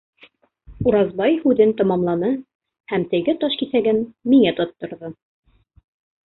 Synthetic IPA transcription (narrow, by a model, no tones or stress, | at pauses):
uɾɑzbɑjhʉðɘnt̪ɑmɑmlˠɑnɤ | hæmt̪ɘ̆ɡɘt̪ɑʃkiθæɡɘnmiŋæt̪ot̪ːŏɾðɤ